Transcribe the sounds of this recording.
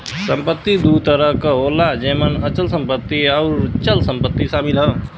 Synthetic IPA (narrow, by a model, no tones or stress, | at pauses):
sə̃mpət̪ːid̪ut̪əɾəkoːlad͡ʒeːmənɐt͡ʃəlsə̃mpət̪ːiɔːɾt͡ʃəlsə̃mpət̪ːisaːmɪlɦə̃ː